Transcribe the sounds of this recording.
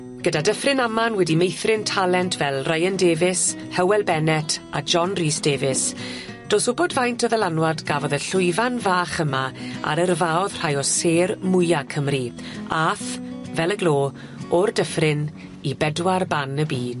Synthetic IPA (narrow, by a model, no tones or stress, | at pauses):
ɡ̥ədadəfrɪnamanwɛdimejθrɪntʰalˠɛntʰvɛlˠrajəndeːvɪs | hɛwɛlˠbɛnɛtʰad͡ʒɔnriːsd̥eːvɪs | d̥oːsʊbɔdvajntʰɔðəlˠanwadɡavɔðəɬʊjvanvaːχəmaa̰ɾərvaːɔð̥r̥ajɔseːrmʊjakʰəmri | aːθvɛlˠəɡlˠoː | ɔrdəfrɪn | ibɛdwarbanəbiːd̥